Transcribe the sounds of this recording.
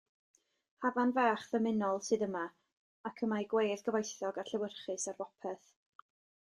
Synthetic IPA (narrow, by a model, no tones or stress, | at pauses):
havanvaːχðəmɪnɔlˠsɨðəma | akʰəmajɡwejðɡəvajθɔɡarɬɛwərχɨsarvɔpʰɛθ